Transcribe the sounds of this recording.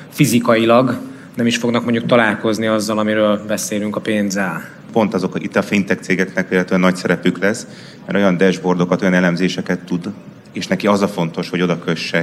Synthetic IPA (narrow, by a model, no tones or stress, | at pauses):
fizikɒjilɒɡ | nɛmiʃfo̞ɡnɒk̚moɲɟuk̚t̪ɒlaːlko̞zniɒzːɒlɒmiɾøːlbɛseːlyŋkɒpeːnzɛl | po̞nt̪ɒzo̞kit̪ːɒfint̪ɛk̚t̪seːɡɛknɛkʋeːlːɛt̪yɛnːɒcsɛɾɛpyklɛs | mɛɾʔo̞jɒnd̪ɛʒbo̞rd̪o̞kɒt̪o̞jɒnɛlɛmzeːʃɛkɛt̪ːud̪ | eːʃnɛkiɒzɒfo̞n̪t̪o̞ʃho̞ɟo̞d̪ɒkø̞ʃːɛ